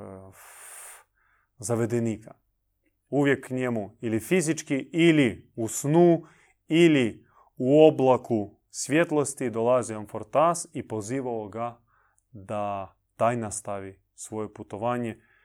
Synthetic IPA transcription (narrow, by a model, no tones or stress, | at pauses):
zaʋe̞d̪eniːkʰa | uʋjekːɲemuilifizit͡ʃkiʔiliusnuː | ili | uoblˠaku | sʋje̞t̪lˠost̪id̪olaziomfoɾt̪asipo̞ziːʋaoɡa | d̪a | t̪aːjnast̪aʋi | sʋo̞jeput̪o̞ʋaːɲe